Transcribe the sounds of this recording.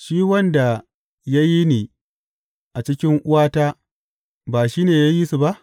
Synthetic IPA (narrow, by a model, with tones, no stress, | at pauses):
ʃiː˦wɐ˦nda˨ | ja˦ji˦niː˨ | ʔa˨t͡ʃɪ˦kʲɪ˦ŋʔʊ˦waː˦taː˦ | baː˨ʃiː˦neː˨ja˦ji˦su˨ba˦ʔ